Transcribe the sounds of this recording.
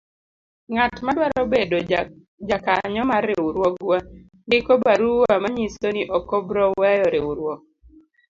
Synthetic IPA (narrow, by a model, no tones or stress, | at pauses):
ŋatmadwaɾɔbedo | d͡ʒakaɲɔmaɾeuɾwɔɡwa | ndɪkɔbaɾuwamaɲisoniʔɔkɔbɾɔwɛjɔɾeuɾwɔk̚